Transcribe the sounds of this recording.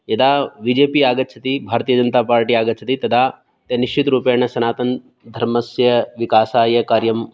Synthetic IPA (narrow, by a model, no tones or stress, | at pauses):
jɐd̪aːbiːd͡ʒeːpiaːɡɐt̪ːt͡ʃʰɐt̪ibʱaːɾt̪iːjɐd͡ʒɐnt̪aːpaːɾʈiːaːɡɐt̪ːt͡ʃʰɐt̪it̪ɐd̪ʰaː | t̪ɐniʃt͡ʃʰit̪ɾuːpeːɳɐʃɐnaːt̪ɐn | d̪ʱɐɾmɐsjɐʋikaːsaːjɐkaːɾjɐm